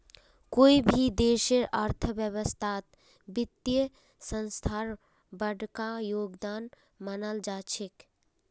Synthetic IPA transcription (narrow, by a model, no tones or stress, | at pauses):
koːibʱid̪eːʃeɾəɾt̪ʰəbjəwəst̪ʰat̪ | bɪt̪jə | sə̃nst̪ʰaːɾ | bəɖkajoːɡd̪aːn | mənəld͡ʒaːt͡ʃʰek